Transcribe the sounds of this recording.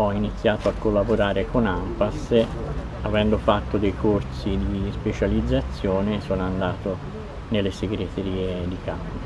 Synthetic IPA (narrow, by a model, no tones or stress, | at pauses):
ɔinit̪sːjaːt̪oakːolːaboɾaːɾekonampas | avɛnd̪ofat̪ːod̪ejkʰorsid̪ispet͡ʃalid̪zːat̪sːjɔːnesɔːnoand̪aːt̪o | nelːeseɡɾet̪eɾiːed̪ikamo